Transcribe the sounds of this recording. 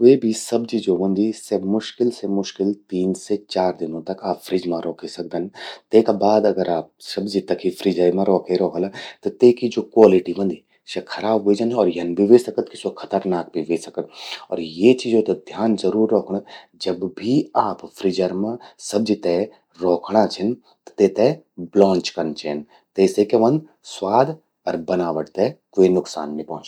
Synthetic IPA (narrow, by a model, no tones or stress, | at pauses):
ʋeːbʱisɐb̚d͡ʒid͡ʒoːbɐ̃nd̪isemʊʃkɪlsemʊʃkɪlt̪iːnset͡ʃaːɾd̪ɪnõt̪ɐkaːpfɾid͡ʒmãɾʔɔːkʰesɐk̚d̪ɐnt̪eːkabaːd̪ɐɡəɾaːp̚sɐbd͡ʒit̪ːɐkifʰɾid͡ʒajmãɾɔːkʰeɾɔːkʰəlat̪ot̪eːkid͡ʒoːkwaːlɪʈibɐ̃nd̪i | ʃɐkʰɐɾaːbʋed͡ʒənɔːɾjɐnbʱiʋeːsɐkət̪kisokʰɐt̪əɾnaːk̚bʱiʋeːsɐkət̪̚ɔ̰ːɾjet͡ʃiːd͡ʒoːt̪ed̪ʱjaːnzɐɾuːɾːɔːkʰɽ̃ | d͡ʒɐbbʱiaːpfɾid͡ʒəɾmẽsɐb̚d͡ʒit̪e | ɾɔːkʰɽ̃at͡ʃʰɐn | t̪t̪eːt̪e | blɔ̃ːnt͡ʃkɐɾnt͡ʃʰen | t̪eːsekeʋɐ̃nd̪ | swaːd̪ | ɔɾbɐnaːʋəʈt̪ekoinʊksa̰ːnːepɔɦʊ̃nt͡ʃ